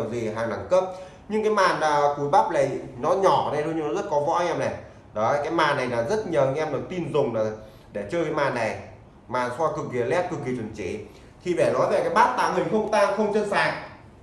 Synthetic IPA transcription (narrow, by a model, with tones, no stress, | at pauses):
wzi˨˩ɦaː˨˩ŋna˧˩ŋkə˦˥p̚ | ɲɨ˧ŋkaː˨˦jmaː˨˩nlaː˨˩ku˨˩əjɓa˦˥p̚la˨˩jnɔ˨˦ɲɔ˧˩˨ɗə˧˩jɗo˧ɲɨ˧nɔ˨˦zə˦˥t̚kɔ˨˦vɔ̰˧˥ʔɛ˧mnɛ˨˩ | ɗɔ˨˦˧jkaː˨˦jmaː˨˩nːa˨˩jlaː˨˩zə˦˥t̚ɲəː˨˩ɲɨ˧ʔɛ˧mno˨˩jt̪i˧nzʊ˨˩ŋ͡mlaː˨˩ | ɗe˧˩t͡ɕəː˧kaː˨˦jmaː˨˩nːa˨˩j | maː˨˩nswaː˧kɨ˨˩k̚ki˨˩əlɛ˦˥p̚kɨ˨˩k̚ki˨˩t͡ɕwə˨˩nt͡ɕe˧˩ | t̪ʰi˨˩ɓɛ˧˩nɔ˨˦jve˨˩kaː˨˦jɓaː˦˥t̚t̪a̰ː˧˩ŋɨ˨˩əjxə˧wŋ͡mt̪aː˧ŋxə˧wŋ͡mt͡ɕə˧nsaː˨˩ŋ̚